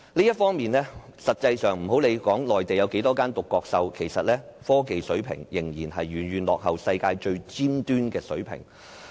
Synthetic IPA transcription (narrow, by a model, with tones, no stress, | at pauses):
liː˥jɐ˥t̚fɔː˥ŋmiː˨nlɛː˥sɐ˨t̚t͡sɐ˧jsœː˨˩ŋm̩˨˩ho˨˥wle˨˧jkɔː˨˥ŋlɔː˨jt̪e˨˩jɐ˨˧wke˨˥jt̪ɔː˥kaː˥nt̪ʊ˨kːɔː˧k̚sɐ˧wkʰe˨˩jsɐ˨t̚lɛː˥fɔː˥ke˨˧jsɵ˨˥ɥpʰɪ̰˨˩ŋjɪ˨˩ŋjiː˨˩nɦɐ˨jɥyː˨˩njyː˨˩nlɔː˨k̚hɐ˨˩wsɐ˧jkaː˧jt͡ʃɵ˧ɥt͡siː˥mt̪yː˥nkɛː˧sɵ˨˥ɥpʰɪ̰˨˩ŋ